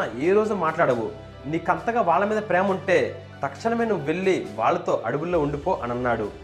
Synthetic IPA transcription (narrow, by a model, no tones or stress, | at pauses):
eːɾo̞ːd͡ʒumaːʈlaːɽɐʋṵ | niːkɐnt̪ɐɡaːʋaːɭːɐmiːd̪ɐpɾeːmɐuɳʈe̞ː | t̪ɐkʂɐɳɐmeːnuʋuʋe̞ɭːiʋa̰ːɭːɐt̪o̞ːʔɐɽuɡulːo̞ːuɳɖipo̞ːʔɐnɐnːaːɽu